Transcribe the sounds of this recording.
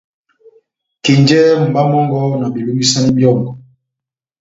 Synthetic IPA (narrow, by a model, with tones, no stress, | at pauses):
ki˨ɲd͡ʒɛ˦m̩˨ba˦mɔ˦ŋɡɔ˦na˨bi˨lu˦mbi˦sa˦ni˦bjɔ˦˨ŋɡɔ˨